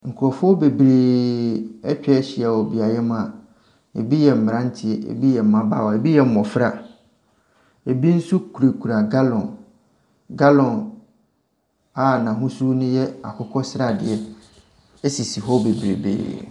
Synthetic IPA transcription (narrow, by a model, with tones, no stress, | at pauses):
ŋ̩˨kʰʊ˨ɾɔ˨fʊ˦ɔ˦be˨bɾe˨ | ɛ˦t͡ɕᶣɛ˦ɕɪ˨a˨wɔ˨bi˨a˨jɛ˦mã˨ | e˨bi˦jɛ˨m̩˨m˨ɾã˦n˦tʰɪ˦ɛ˨ḛ˨bi˦jɛ˨m̩˨mã˦ba̰˦˨wɔ˨e˨bi˦jɛ˨m̩˨mɔ̃˨fɾa˨ | e˨bi˦n̩˦su˦kʰu˨ɾe˨kʰu˨ɾa˨ɡa˦lɔ̃˨n | ɡa˦lɔ̃˨n | a˨nã˨ɦʊ̃˦su˦nʊ̃˦jɛ˦a̰˨kʰʊ˦kʰɔ˦sɾa˨dɪ̰˨ɛ˦ | e˦si˨si˨ɦɔ˦be˨bɾḛ˨bḛː˨˦